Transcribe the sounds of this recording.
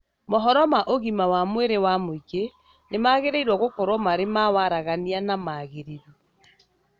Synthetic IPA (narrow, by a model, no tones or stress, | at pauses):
mɔɦɔɾɔmaʔoɣimawamweɾewamoiɡe | nemaːɣeɾeiɾwɔɣokɔɾwɔmaɾemawaɾaɣanianamaːɣeɾiɾu